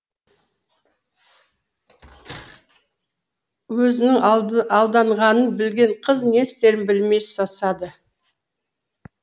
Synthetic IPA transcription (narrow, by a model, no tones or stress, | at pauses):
wɵzɪnɪŋɑlˠd̪ɑɴʁɑnənbɪlɡʲe̞ɴqʰəzne̞st̪e̞ɾɪnbɪlme̞jsɑsɑd̪ə